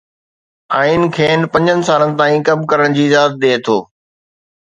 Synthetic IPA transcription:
aːin̆kʰeːnpɐ̃ɲd͡ʑənɪ̆saːlənɪ̆t̪aːĩkɐmkɐɾəɽ̃d͡ʑiːɪzaːt̪̚ɗ̪eːt̪ʰoː

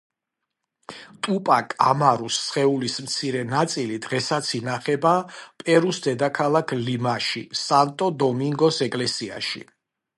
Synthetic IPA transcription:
t̪ʼupʼakʼamaɾusːχɛulismt̪sʰiɾɛnat̪sʼilid̪ʁɛsat̪sʰinaχɛbapʼɛɾusd̪ɛd̪akʰalˠakʰlimaʃḭsant̪ʼɔd̪ɔmiŋɡɔsɛkʼlɛsia̰ʃḭ

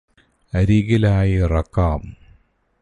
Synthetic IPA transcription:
ɐɾiɣilaːjirɐkːaːm

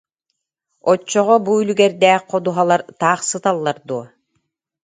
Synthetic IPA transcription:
ɔt͡ʃːɔʁɔbuylʲyɡɛɾd̪ɛːqqːɔd̪uɦalˠaɾt̪aːχsɯt̪alˠːaɾd̪uɔ

